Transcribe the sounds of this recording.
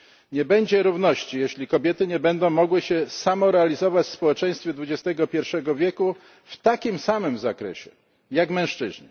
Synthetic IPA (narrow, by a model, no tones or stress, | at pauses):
ɲɛbɛɲd͡ʑɛɾuvnɔɕt͡ɕijɛɕlʲikɔbʲjɛt̪ɘɲɛbɛnd̪ɔ̃w̃mɔɡwɘɕɛsamɔɾɛalʲizɔvat͡ɕfspɔwɛt͡ʂɛ̃j̃st̪fʲɛd̪vud͡ʑɛst̪ɛɡɔpʲjɛɾfʂɛɡɔvʲjɛku | ft̪akʲimsamɘmzakɾɛ̰ɕɛ | jakmɛ̃w̃ʂt͡ʂɘ̰ʑɲi